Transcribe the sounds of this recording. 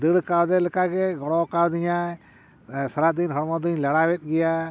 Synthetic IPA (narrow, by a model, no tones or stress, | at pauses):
d̪ɨɽkawd̪ɛləkaɡɛɡɔɽɔkawd̪ɪɲa | sɐɾad̪inɦɔɾmɔd̪uɲlaɽawɛt̪̚ˀɡɪja